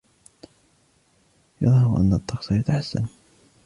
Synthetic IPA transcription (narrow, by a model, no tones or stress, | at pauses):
jɑðˤhɑɾʔa̰nːat̪ˤːɑqsˤɑjat̪aħasːa̰n